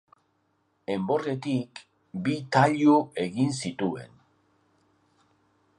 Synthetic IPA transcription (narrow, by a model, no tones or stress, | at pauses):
e̞mbo̞re̞t̪ik | bit̪aʎue̞ɣinsit̪ue̞̰n